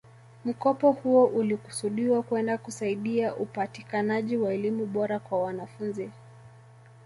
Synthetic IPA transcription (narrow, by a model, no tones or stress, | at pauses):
m̩kɔpɔhuɔʔuliku̥suɗiwakwɛndakusaiɗiaʔupatikanaʄiwaɛlimuɓɔɾakwawanafunzi